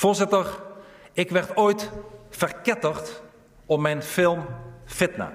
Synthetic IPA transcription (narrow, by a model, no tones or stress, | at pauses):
vʊːɹzɪtəɹɪkʋɛɹtoːjtfərkɛtəχt | ɔmɛjnfɪlˠmfɪtnə̰